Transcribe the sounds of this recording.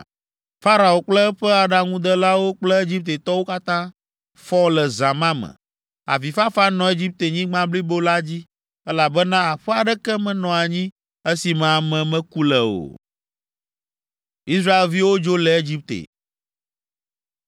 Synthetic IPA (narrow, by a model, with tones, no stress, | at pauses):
fa˦ɾa˨o˨k͡plɛ˦ɸɛ˦a˨ɖa˨ŋũ˦d̪ə˦la˦wo˦k͡plɛ˦e˦d͡ʑi˦p̚t̪e˨t̪ɔ˦wo˦ka˦t̪ã˦ | fɔ˦lɛ˨zã˨mã˦mɛ̰̃˨ | a̰˨fi˨fa˦fa˦nɔ̃˨e˦d͡ʑi˦p̚t̪e˨ɲĩ˦ɡ͡bã˦bli˦bo˦la˦d͡ʑi˦ | ɛ˦la˨bɛ˦nã˦a˨ɸɛ˦a˨ɖɛ˦kɛ˦mɛ̃˨nɔ̃˨a˨ɲĩ˦ | ɛ˦si˨mẽ˨a˨mɛ̃˨mɛ̃˦ku˦lɛ˨o̰˨ | i˦sɾa˦e˨lvi˦wo˦d͡ʒo˦lɛ˨e˦d͡ʑi˦p̚t̪ḛ˨